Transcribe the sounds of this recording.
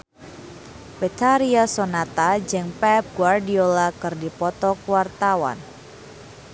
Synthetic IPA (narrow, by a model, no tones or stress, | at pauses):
pet̪aɾiasonat̪ad͡ʒɨŋpɛp̚ɡwardiolakɨrdipɔt̪ɔkwart̪awa̰n